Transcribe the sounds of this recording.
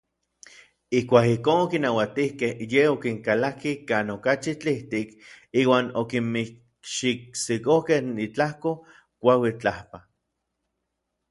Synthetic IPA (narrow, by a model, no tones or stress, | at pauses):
ihkʷaːkihkoːnokinawat̪ihkehjeokiŋkalakikaːnokat͡ʃit͡ɬiht̪ikiːwaːnokimmi | ʃik̚sikohkehnit͡ɬahko | kʷawit͡ɬahpa